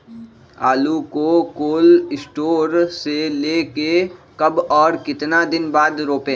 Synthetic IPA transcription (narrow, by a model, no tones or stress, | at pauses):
aːlukokoːlɪsʈoːɾseleːkekɐbɔːɾkɪt̪nad̪ɪnbaːd̪ɾoːpẽː